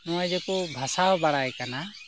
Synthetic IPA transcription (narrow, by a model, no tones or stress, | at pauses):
nɔwajd͡ʒɛkubʱasaɦbaɽajkana